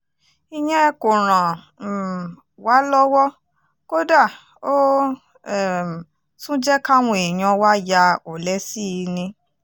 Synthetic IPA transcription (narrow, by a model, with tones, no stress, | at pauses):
i˧ɲ̃ɛ̃˦ko˨ɾ̃ã˨ | wa˨˦lɔ˦wɔ˦ | ko˦da˦˨ | o˦˨ | sũ˦d͡ʒɛ˦ka˦w̃ɔ̃˧e˨ɲ̃ɔ̃˧wa˦ja˧o˨lɛ˨˦si˦˧nĩ˧